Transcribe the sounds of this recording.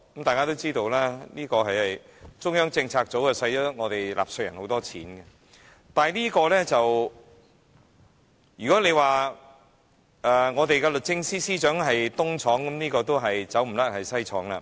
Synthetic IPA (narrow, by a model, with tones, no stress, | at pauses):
kɐ˨mt̪aː˨jkaː˥t̪o˥wt͡siː˥t̪o˧wlaː˥liː˥kɔː˧ɦɐ˨jhɐ˨j | t͡sʊ˥ŋjœː˥ŋt͡sɪ˧ŋt͡sʰaː˧k̚t͡so˨˥wkɐ˨˧sɐ˧jjɐ˥ŋɔː˨˧t̪e˨jlʔa̰ː˨p̚sɵ˧jɐ˨˩nho˨˥wt̪ɔː˥t͡sʰḭː˨˥nɡɛ˧ | t̪aː˨˩jliː˥kɔː˧lɛ˥t͡sɐ˨w | jyː˨kɔː˨˥le˨˧jwaː˨˩ | ɛː˧ŋɔː˨˧t̪e˨jkɛ˧lɵ˨t̚t͡sɪ˧ŋsiː˥siː˥t͡ʃœː˨˥ŋɦɐ˨jt̪ʊ˥ŋt͡sʰɔː˨˥ŋkɐ˨˦mniː˥kɔː˧t̪o˥wɦɐ˨jt͡sɐ˨˥wm̩˨˩lɐ˥t̚hɐ˨jsɐ˥jt͡sʰɔː˨˥ŋla̰ː˧